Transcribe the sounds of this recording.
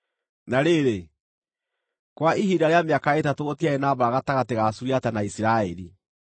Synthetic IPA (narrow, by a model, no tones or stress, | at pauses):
naɾeːɾe | kwaʔiɦidaɾeameakaetatootiaɛnabaaɣataɣateɣasuɾiatanaisiɾaɛɾi